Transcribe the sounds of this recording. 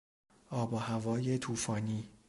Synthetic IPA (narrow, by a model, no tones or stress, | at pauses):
ʔɒːbɒhævɒːje̞t̪ʰuːfɒːniː